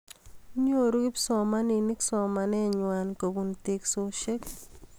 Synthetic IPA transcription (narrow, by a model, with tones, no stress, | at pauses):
ɲo˦ɾu˦ɡɪ˦psɔ˨ma˦ni˨nɪ˦ksɔ˨ma˨nɛ˦˨ɲwa˨nko˨bu˦nte˦kso˦ʃe˦k